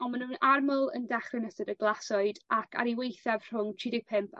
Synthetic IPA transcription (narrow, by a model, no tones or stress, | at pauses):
ɔnmanuːnarməlˠə̰ndɛχrɪnɛsədəɡlˠasɔɨdakʰa̰ɾiwejθav̥r̥ʊŋt͡ʃʰɪdɪɡ̚pʰɪmpʰ